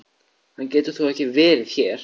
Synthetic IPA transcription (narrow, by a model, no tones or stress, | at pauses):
hancɛːt̪ʏθuɛhcɪvɛːɾɪð̥çɛːɾ̥